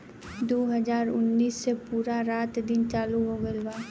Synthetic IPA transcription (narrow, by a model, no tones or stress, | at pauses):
d̪oːɦəd͡ʒaːɾʊnːiːsːepuːɾaɾaːt̪d̪ɪnt͡ʃaːluɦoɡəlbaː